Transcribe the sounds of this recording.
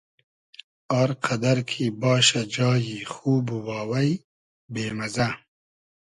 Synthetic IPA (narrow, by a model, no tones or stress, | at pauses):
ɑːɾqʰad̪aɾkʰibɑːʃad͡ʒɑːjixuːbuwɑːwɐj | beːmɐza